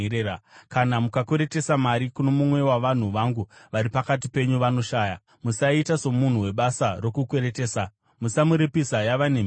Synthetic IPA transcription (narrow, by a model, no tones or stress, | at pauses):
eakanamukakeɾe̞te̞samaɾikuno̞mumwe̞waʋan̤uʋaŋɡuʋaɾipakat̬ipe̞ɲuʋano̞ʃaːja | musaitaso̞mun̤uwe̞ɓasaro̞kukweɾeteːsa | musamuɾepisajaʋanem